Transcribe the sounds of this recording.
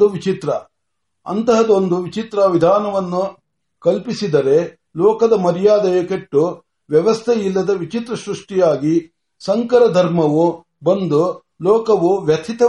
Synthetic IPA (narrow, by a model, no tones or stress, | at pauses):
uʋit͡ʃit̪ɾɐ | ɐ̰nt̪ɐɦɐd̪o̞nd̪uʋit͡ʃit̪ɾɐʋid̪ʱaːnɐʋɐnːu | kɐlpisid̪ɐɾe̞ | lɔːkɐd̪ɐmɐɾijaːd̪ɐjɐkeʈːu | ʋjɐʋɐst̪ʰɛilːɐd̪ɐʋit͡ʃit̪ɾɐsɾuʂʈijaːɡi | sɐŋkɐɾɐd̪ʱɐɾmɐʋu | bɐnd̪u | lɔːkɐʋuʋjɐt̪ʰit̪ɐ